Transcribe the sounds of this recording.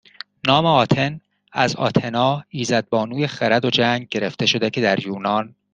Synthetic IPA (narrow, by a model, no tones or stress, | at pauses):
nɒːmeɒːt̪ʰe̞n | æzɒ̰ːt̪ʰe̞nɒːiːzæd̪̚bɒːnuːjexeɾæd̪o̞d͡ʒæŋɡɟe̞ɾe̞ft̪e̞ʃo̞d̪ecʰe̞d̪æɾjuːnɒn